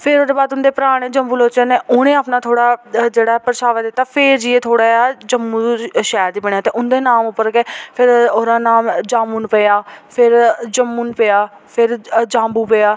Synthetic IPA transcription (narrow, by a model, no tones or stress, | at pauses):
pʰɪɾoːd̪eːbaːd̪ʊnd̪eːpəɾaːɽ̃ẽːd͡ʒəmbuːloːt͡ʃəneːʊñẽːaːpnaːt̪ʰoːɽaːd͡ʒeːɽaːɛpəɾʃaːʋəd̪ɪt̪ːaːpʰɪɾd͡ʒiːeːt̪ʰoːɽaːaːd͡ʒəmːũːʃɛːɾd̪iːpəɳ̃jaːt̪eːʔʊnd̪eːnaːmʊpːəɾkeːpʰɪɾoːɾaːnaːmd͡ʒãːmuːnpejaːpʰɪɾd͡ʒəmːuːnpɪjaː | pʰɪɾd͡ʒãːmbuːpejaː